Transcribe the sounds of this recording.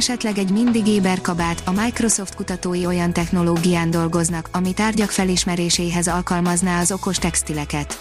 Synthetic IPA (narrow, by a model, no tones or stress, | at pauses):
ɛʃɛt̪lɛɡɛɟmind̪iɡeːbɛrkɒbaːt̪ɒmajkro̞so̞ft̪̚kut̪ɒt̪oːjio̞jɒnt̪ɛxno̞loːɡijaːnd̪o̞lɡo̞znɒkɒmit̪aːrɟɒkfɛliʃmɛɾeːʃejɦɛzɒlkɒlmɒznaːɒzo̞ko̞ʃt̪ɛkst̪ilɛkɛt̪